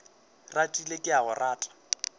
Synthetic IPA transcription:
ratʼilekʼɪaɣʊrʔaːtʼḁ

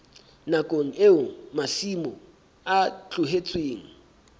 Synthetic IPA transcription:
nakʼoŋ̩eʊmasimɔ | at͡ɬʼʊɦet͡sʼweːŋ̩

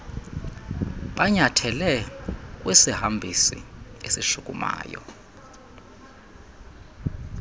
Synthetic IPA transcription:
ɓaɲatʰɛlɛk̬ʼwɛsihambʱisḭesiʃukʼuma̰ːjɔ̰

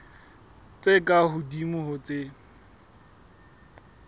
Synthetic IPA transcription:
t͡sʼekʼaɦʊdimʊhʊt͡sʼe

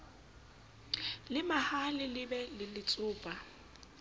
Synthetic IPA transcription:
lɪmahalɪlɪbɛlɪlɪt͡sʼʊːpʼa

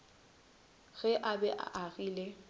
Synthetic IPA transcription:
ɣɛʔabɛʔa̰ʔaɣiːle

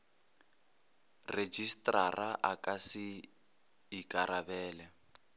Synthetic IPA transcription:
red͡ʒistʼraraʔakʼasiː | kʼaɾabɛːlɛ

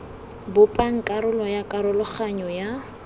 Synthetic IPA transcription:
bʊpʼaŋ̩kʼaɾʊlɔjakʼaɾʊlʊχaɲɔja

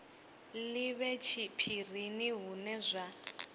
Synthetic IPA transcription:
liβɛt͡ʃʰipʰir̤iniɦunɛzʷa

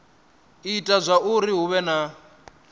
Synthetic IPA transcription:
itʼazʷaʔuɾiɦuβɛna

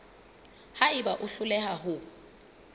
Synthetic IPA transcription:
haɪbaʔʊɬʊlɛhaɦʊ

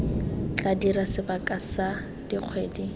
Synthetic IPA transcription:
t͡ɬʼadiɾasɪbakʼasa | d̥iq͡χʰweːdi

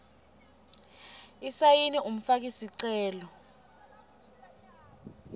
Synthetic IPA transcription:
isajinium̩fak̬isiǀɛːlɔ

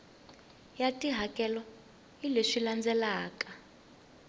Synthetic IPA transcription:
jatʼiɦakʼɛlɔ | ileʂiland͡zɛlaːkʼa

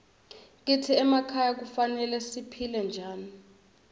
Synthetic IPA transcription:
k̬ʼitʰiɛmakʰajak̬ufanɛlɛsipʰilɛnd͡ʒʱaːni

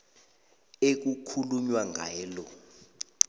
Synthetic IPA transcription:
ek̬ukʰuluɲwaŋʱaːlɔ

